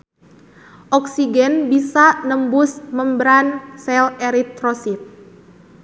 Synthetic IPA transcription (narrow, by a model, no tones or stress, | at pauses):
ʔɔksiɡɛnbisanəmbʊsməmbəɾansɛlɛɾit̪ɾɔsit̪̚